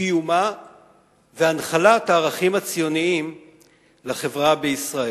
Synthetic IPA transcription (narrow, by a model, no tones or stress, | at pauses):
ijuma | veanχalat̪aːʁaχimat͡sijo̞niim | laχe̞vʁabeisʁae